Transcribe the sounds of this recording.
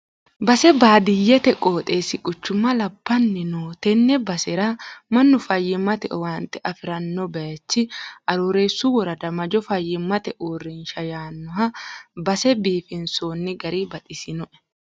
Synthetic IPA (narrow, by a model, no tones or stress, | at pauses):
bɐsɛbaːd̪ɪjːɛt̪ɛkʼoːt̪ʼe̞ːsɪkʼʊt͡ʃːʊmɐlɐbːɐnːɪnoːt̪ɛnːɛbɐsɛɾamɐnːʊfɐjːɪmɐt̪ɛʔwaːnt̪ɛʔɐfɪɾɐnːɔbɐjɐt͡ʃːɪʔɐɾuːɾe̞ːsːʊwɔɾɐd̪ɐmɐd͡ʒɔfɐjːɪmːɐt̪ɛʔoːrːɪnʃɐjaːnːʊɦɐbɐsɛbiːfɪnsoːnːɪɡɐɾiːbɐt̪ʼɪsɪnɔʔɛ̥